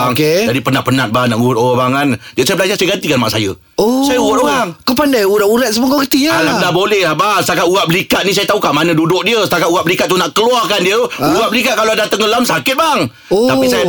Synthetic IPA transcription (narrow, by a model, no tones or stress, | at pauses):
ŋed͡ʒadipənaʔpənat̪̚banaʔŋuat̪oabaŋand͡ʒəsajəbəlad͡ʒasajəɡant̪ikanma̰ʔsajə̰ | osajəuat̪oɣaŋkopandajuɾaʔuɾat̪̚səmokokət̪ialadabolɛhlabaŋsət̪akaʔuɣaʔ̚bəlikat̪̚nisajət̪aukaʔmanãdudʊk̚diəsə̥t̪akat̪uaʔ̚bəlikat̪̚ːunaʔkəluahkandiət̪uuɣat̪̚bəlikat̪̚kaloadat̪əŋəlamsakɪt̪̚baŋ | oapisaj